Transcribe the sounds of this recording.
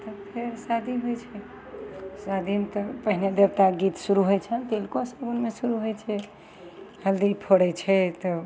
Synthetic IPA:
t̪əpʰeɾsad̪ʱibʱojt͡ʃʰɛ | sad̪ʱimt̪ɔpəɦined̪ebt̪aɡit̪suɾuɦojt͡ʃʰənt̪elkosəɡunmesuɾuɦojt͡ʃʰɛ | ɦəld̪ipʰoɽɛt͡ʃʰɛt̪ɔ

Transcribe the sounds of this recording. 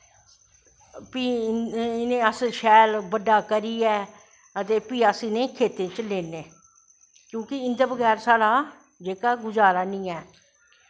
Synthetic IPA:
piːɪnẽːəsʃɛːlbəɖaːkəɾiːɛː | ət̪eːpiːaːsɪnẽːkʰeːt̪ẽːt͡ʃleːneː | kjõːkɪɪnd̪aːbəɡɛːɾsaːɽaː | d͡ʒeːkaːɡʊd͡ʒaːɾaːnĩːɛː

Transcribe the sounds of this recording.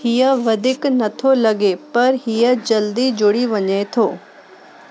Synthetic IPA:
hɪjəʋɐd̪ɪknɐt̪ʰolɐɡepɐɾɦɪjəd͡ʒɐld̪id͡ʒʊɽiʋɐɲaet̪ʰoː

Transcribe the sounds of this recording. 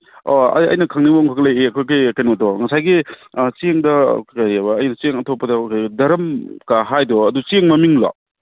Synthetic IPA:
ɔɐ̰jɐ̰jnɐkʰaŋniboŋkʰaklɐjeɐkʰojkejkajnotɔŋɐsajɡit͡ʃeŋdɐkaɾabɐːjnɐt͡ʃeŋɐtʰopːɐdɐkadɐɾɐmkaɦajdɔɐdut͡ʃeŋmɐmiŋla̰

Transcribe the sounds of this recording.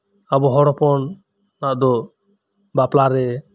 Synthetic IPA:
abɔɦɔɾɔpɔnː | aʔd̪ɔ | baplaɾɛ

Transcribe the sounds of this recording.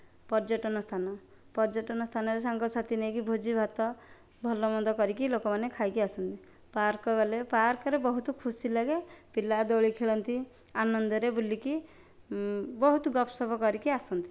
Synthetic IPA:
pɔɾd͡ʒɔʈɔnɔst̪ʰanɔ | pɔd͡ʒɔʈɔnɔst̪ʰanɔɾesaŋɡɔsat̪inejkibʱod͡ʒibʱat̪ɔ | bʱɔlɔmɔnd̪ɔkɔɾikilokɔmanekʰajkiasɔnt̪i | paɾkɔɡalepaɾkɔɾebɔɦut̪ɔkʰusilaɡepilad̪ɔɭikʰeɭɔnt̪i | anɔnd̪ɔɾebuliki | bɔɦut̪ɔɡɔpʰsɔbʱɔkɔɾikiasɔnt̪i̥

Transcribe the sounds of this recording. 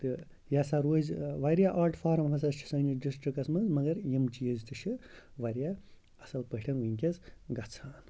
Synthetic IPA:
t̪ɨ | jasaɾoːzʋaɾjaʔaːɾʈʰfʰaːɾɐmfʰɐsɐst͡ʃʰi̥sɐniɖisʈɾikɐsmɐnzmɐɡɐɾjimt͡ʃijizt̪ɨʃʰiʋɐɾja | ɐsɐlpɐɦʈʰɐnuiŋʲkʲɐzɡɐt͡sʰaːn

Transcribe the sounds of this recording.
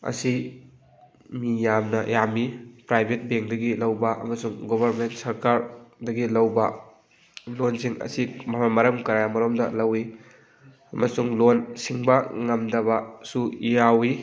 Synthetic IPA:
ɐ̰si | mijamnɐjamipɾajbʱet̚beŋdɐɡilɐwbɐʔɐ̰mɐsuŋɡobʱɐɾmentsɐɾkaɾdɐɡilɐwbɐ | lonsiŋɐ̰simamamɐɾɐmkɐɾajamɐɾomdɐ̰lɐwi | ɐmɐsuŋlonsiŋbɐŋɐmdɐβɐsuijawi

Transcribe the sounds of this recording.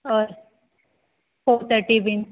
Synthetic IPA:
əɾ | fot̪ʰəʈiʋin

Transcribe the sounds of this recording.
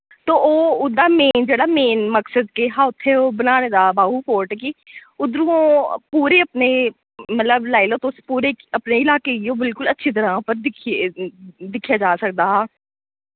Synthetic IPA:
t̪ooːʊd̪ameːnd͡ʒeːɽameːnməksəd̪̚keɦaːʊt̪ʰːeobənaːned̪aːbaːɦupoːɾʈkiʊd̪ɾuõpuːɾeɐpne | mɐt̪ləblaːɪlot̪oːspuːɾekɐpneɪlaːkeiõbɪlkʊlɐtːʃʰit̪̬ɐɾãːpəɾd̪ɪkʰ | d̪ɪkʰjad͡ʒaːsɐk̚d̪aːɦaː

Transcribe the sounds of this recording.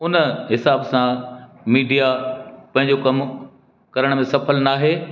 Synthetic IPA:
ʊnəɦɪsaːbsã | miːɖijapɐ̃ɦɪ̃ɲ̆d͡ʑokɐm | kɐɾəɽ̃mẽsɐpʰəlnaːɦeː

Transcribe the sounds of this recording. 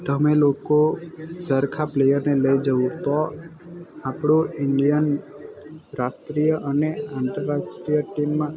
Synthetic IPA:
t̪əmelokosəɾkʰaplejəɾneləid͡ʒəʋũt̪ɔ | apɽoɪɳɖijən | ɾasʈɾijəʔəneãnt̪əɾːasʈɾijəʈimːã

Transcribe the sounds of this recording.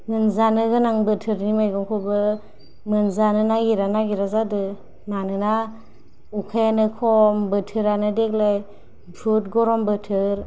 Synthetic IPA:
mɯnzanɯɡɯnaŋbɯtʰɯɾnimajɡɔŋkʰɔbɯ | mɯnzanɯnaɡiɾanaɡiɾazadɯ | manɯna | ukʰajnɯkʰɔmbɯtʰɯɾanɯdek̚laj | bɾut̚ɡɔɾɔmbɯtʰɯɾ

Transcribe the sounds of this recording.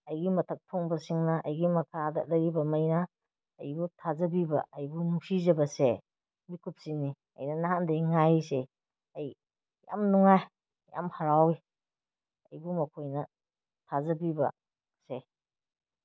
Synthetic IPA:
ɐjɡimɐtʰɐk̚tʰɔŋbɐsiŋnɐʔɐjɡimɐkʰadɐ̰lɐɾibɐmɐjnɐ̰ː | jbutʰazɐbibɐ̰ːjbunuŋsizɐbɐse | mikʰup̚sini | ɐ̰jnɐnahandejŋajse | ɐj | ja̰mnuŋaj | ja̰mhaɾawi | ɐ̰jbumɐkʰojnɐ | tʰazɐbibɐ̰ | se

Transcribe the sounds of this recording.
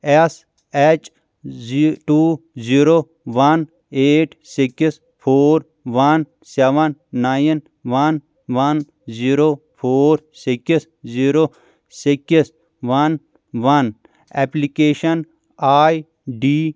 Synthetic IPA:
ɛs | ɛt͡ʃ | ʈuːziːɾo | ʋɐn | eːʈ | siks | pʰoːɾ | ʋɐn | sɛʋɐnːaːjin | ʋɐn | ʋɐn | ziːɾoː | pʰoːɾsikis | ziːɾoː | sikis | ʋɐn | ʋɐn | ɛplikeːʃɐn | aːj | ɖiː

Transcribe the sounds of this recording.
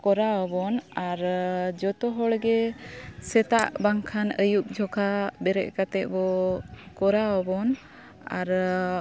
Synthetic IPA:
kɔɾaɔbɔnaɾd͡ʒɔt̪ɔɦɔɽɡɛsɛt̪aʔbaŋkʰanəjuk̚d͡ʒʱɔkʰabɛɾɛ̰ʔ̚ˀkat̪ɛʔ̚bɔkɔɾaɔbɔn | a̰ɾ

